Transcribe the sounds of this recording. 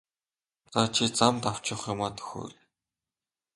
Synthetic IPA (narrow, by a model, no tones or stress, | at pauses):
t͡sat͡ɕʰit͡samt̪aw̥t͡ɕɪ̆χjʊmaːt̪ʰɵ̥xɵ̰ː